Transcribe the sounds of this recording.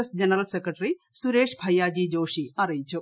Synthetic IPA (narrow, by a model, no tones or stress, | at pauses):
ɐsd͡ʒɐnɐɾɐlsekɾɐʈɐɾisuɾeːʂbʱɐjaːd͡ʒiːd͡ʒoːʂiɐɾɐjt͡ʃu